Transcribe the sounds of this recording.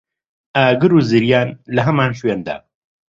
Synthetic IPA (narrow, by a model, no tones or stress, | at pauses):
aːɡɨɾuːzɨɾjaːnlɐɦɐmaːnʃweːnd̪a̰ː